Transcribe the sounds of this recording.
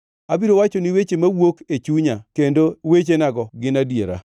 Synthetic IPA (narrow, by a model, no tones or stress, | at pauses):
abiɾowat͡ʃɔnɪwet͡ʃemawoket͡ʃuɲakendowet͡ʃenaɡɔɡɪnadjeɾa̰